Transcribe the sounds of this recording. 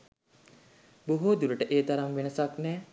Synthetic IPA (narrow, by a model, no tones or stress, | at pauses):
buɦod̪uɾəʈəʔeːt̪aɾaŋʋenəsaknɛː